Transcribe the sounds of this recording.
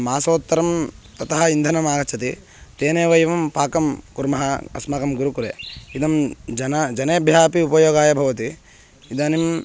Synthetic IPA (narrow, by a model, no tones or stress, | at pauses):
maːsoːt̪ːɐɾɐmt̪ɐt̪ɐɦɐind̪ʱɐnɐmaːɡɐt͡ʃʰɐt̪i | t̪eːneːʋɐjɐʋɐmpaːkɐmkuɾmɐɦɐɐ̰smakɐmɡuɾukuɾḛːid̪ɐmd͡ʒɐnɐd͡ʒɐneːɐbʱjaːpiupɐjoːɡaːjɐbʱɐʋɐt̪i | id̪aːnim